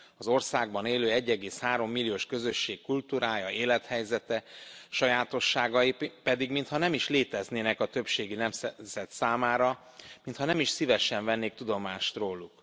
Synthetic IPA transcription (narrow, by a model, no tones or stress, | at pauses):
ɒzo̞rsaːɡbɒneːløːɛɟːɛɡeːshaːɾo̞mːilːijoːʃkø̞zø̞ʃːeːkkult̪uɾaːjɒeːlɛt̪hɛjzɛt̪ɛʃɒjaːt̪o̞ʃːaːɡɒjipɛd̪iɡmint̪hɒnɛmiʃleːt̪ɛzneːnɛkɒt̪ø̞pʃeːɡinɛmszɛt̪saːmaːɾɒ | mint̪hɒnɛmiʃsivɛʃɛɱvɛnːeːk̚t̪ud̪o̞maːʃt̪roːluk